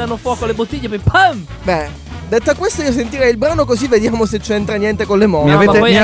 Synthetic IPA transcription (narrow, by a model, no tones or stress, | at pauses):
anːofwɔkolebot̪ːiʎːepepʰəm | bɛ | d̪et̪ːoakːwest̪aiːos̬ent̪iɾɛjilbɾaːnokozivːed̪jaːmoset͡ʃːɛnt̪ɾanjɛnt̪ekolːemɔaee